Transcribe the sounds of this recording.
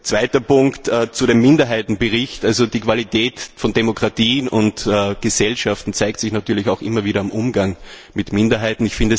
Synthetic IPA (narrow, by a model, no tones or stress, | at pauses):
t͡sv̥aɪtɐpʊŋktɛːt͡suɾemːɪndɐɦaɪtn̩bəʁɪçtʔalzod̥iːkv̥alitʰɛːtfɔndemokʁ̥atiːnʊntːɡ̥əzɛlʃaftn̩t͡saɪk̚tsɪçnatyːɐlɪçaʊxʔɪmɐviːɾɐamʔʊmɡaŋmɪtmɪndɐɦaɪtn̩ɪçfɪndə